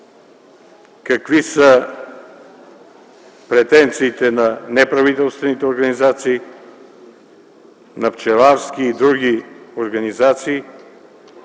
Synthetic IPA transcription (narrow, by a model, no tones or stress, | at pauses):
kɐkvisə | pɾɛt̪ɛnt̪siːt̪ɛnɐnɛpɾɐvit̪ɛlˠst̪vɛnit̪ɛoɾɡɐnizat̪siː | nɐft͡ʃɛlaɾskiːd̪ɾuɡʲioɾɡɐnizat̪siː